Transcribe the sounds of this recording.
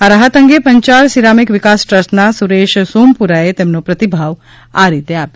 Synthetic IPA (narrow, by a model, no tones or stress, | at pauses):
aɾaɦət̪ə̃ŋɡepəɲt͡ʃaɭsiɾaːmɪkʋɪkaːsʈɾəsʈnasuɾeːʃsuːmpuɾaet̪emnopɾɐt̪ibʱaʋ | aɾit̪eaːpjo